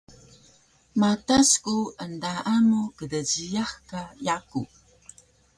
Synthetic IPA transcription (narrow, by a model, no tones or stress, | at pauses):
mataskuəndaʔamukədəɟijaxkajaku